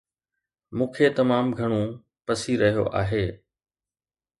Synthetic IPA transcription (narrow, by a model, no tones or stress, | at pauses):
mũːkʰet̪ɐmaːmɡʱɐɽ̃ũ | pɐsiɾɐɦijo̰ʔa̰ːɦeː